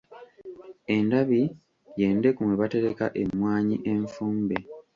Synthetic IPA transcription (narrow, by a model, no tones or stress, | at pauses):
e̞ndaβi | je̞ːnde̞kumweβate̞ɾekaʔe̞mːwaːɲiʔe̞ɱfuːmbe